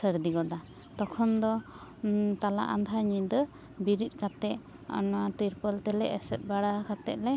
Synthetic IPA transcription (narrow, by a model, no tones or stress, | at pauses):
səɾd̪iɡɔd̪a | t̪ɔkʰɔnd̪ɔ | t̪ala̰ʔa̰nd̪ʱaɲid̪ə | biɾit̪̚ˀkat̪ɛʔ | ɔ̰nɔwat̪iɾpəlt̪ɛlɛʔɛsɛt̪̚baɽakat̪ɛʔ̚lɛ